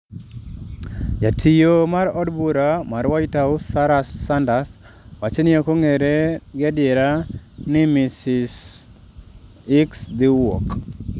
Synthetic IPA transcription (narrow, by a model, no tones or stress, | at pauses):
jatʰijomaɾɔdbuɾamaɾwajtaʊsaɾasandas | wat͡ʃenɪokoŋeɾeɡɛdjɛɾanɪmɪsɪs | ɪksd̪ɪwɔ̰k